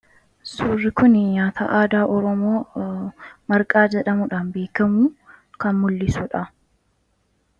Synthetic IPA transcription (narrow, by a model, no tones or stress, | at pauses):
suːrːɪkʊnɲaːt̪ʰɐ̰ʔaːd̪aːʔɔɾɔmoː | mɐɾkʼaːd͡ʒɛᶑɐmʊᶑaːnbe̞ːkɐmuːkɐnmʊlːɪsʊᶑɐ